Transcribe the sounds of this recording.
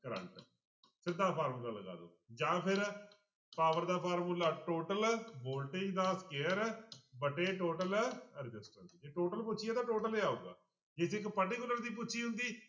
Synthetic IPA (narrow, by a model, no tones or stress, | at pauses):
kəɾə̰ɳʈ | sɪd̪ːaːpʰaːɾmuːlaːləɡa̰ːd̪o̰ːd͡ʒãːpʰɪɾ | paːʋəɾd̪aːpʰaːɾmulaːʈoːʈəlboːlʈɪ̃ɡd̪aːskeːəɾbəʈeːʈoːʈəlɾɪd͡ʒɪsʈənd̪iːd͡ʒeːʈoːʈəlpʊːt͡ʃʰijaːt̪ãːʈoːʈəleːaːuːɡa̰ː | d͡ʒesɪkpəʈiːkʊlːəɾd̪iːp̬ʊːt͡ʃʰiːɦʊ̃nd̪iː